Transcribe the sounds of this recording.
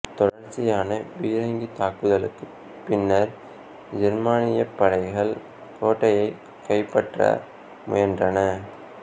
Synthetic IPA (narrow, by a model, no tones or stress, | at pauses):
t̪ɔɽɐɾt͡ʃːɪjaːnɐʋiːɾɐŋɡit̪aːkɯðɐlɯkːɯ | pːɪnːɐɾ | d͡ʒɐɾmaːnɪjɐpːɐɽɐɪɣɐɭ | koːʈːɐjɐɪ | kːɐɪpːɐʈrɐ̰ | mʊ̰jɐndrɐnɐ